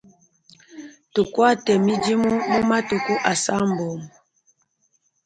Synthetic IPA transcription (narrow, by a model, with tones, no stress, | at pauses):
tu˨kwa˦˨tɛ˨mi˦d͡ʒi˦mu˦mu˦ma˦tu˨ku˦ʔa˨sa˦m̩˨bɔ˨m